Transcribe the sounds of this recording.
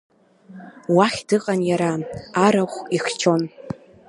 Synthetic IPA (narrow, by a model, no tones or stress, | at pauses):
waχʲdɨqʼanjaɾaaɾaχʷiχt͡ʃʰo̞n